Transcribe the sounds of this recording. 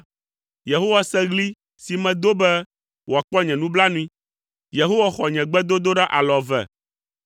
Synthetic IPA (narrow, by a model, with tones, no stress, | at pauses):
je˨ɦo˦wa˦sɛ˦ɣli˦ | si˨mɛ̃˨d̪o˦bɛ˦ | wʔo˨a˨k͡pɔ˦ɲɛ̃˨nũ˦bla˦nũ˦ĩ˦ | je˨ɦo˦wa˦xɔ˨ɲɛ̃˨ɡ͡bɛ˦d̪o˦d̪o˦ɖa˦ʔa˨lɔ˨vɛ̰˨